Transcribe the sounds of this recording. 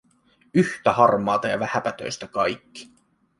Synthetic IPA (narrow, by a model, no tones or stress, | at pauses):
yht̪æhɑrmɑːt̪ɑjɑʋæhæpæt̪ø̰jst̪ækɑjkːi̥